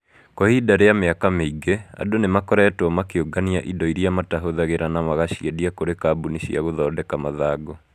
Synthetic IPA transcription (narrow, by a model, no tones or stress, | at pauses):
kɔhidaɾejameakameiɡea̰donemakɔɾaːtɔmakeoɡaniaʔidɔiɾiamataɦoðaɣeɾanamaɣaʃiɛdiakoɾekaːbuniʃḭaɣoðɔːdɛkamaðaːɡo